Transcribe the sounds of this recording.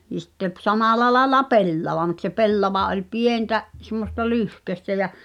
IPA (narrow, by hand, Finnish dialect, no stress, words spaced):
ni sitːe p sɑmɑˑlɑ lɑĕlɑ pelːɑʋɑ mut se pelːɑʋɑ olʲ pientæ semːostɑ lyhkøstæ jæ